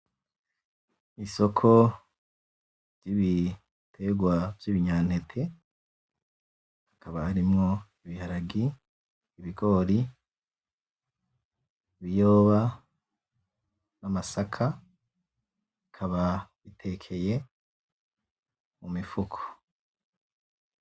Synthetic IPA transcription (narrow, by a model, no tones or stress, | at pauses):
iso̞kʰo̞ | v̥jiβi | tʰe̞ɡwavjiβiɲaːnhe̞tʰe̞ | akaβahaɾimŋo̞iβihaɾaɡiː | βiko̞ːɾi | βijo̞ːβa | namasakʰa | ikʰaβa | itʰe̞kʰe̞je̞ | mumifukʰo̥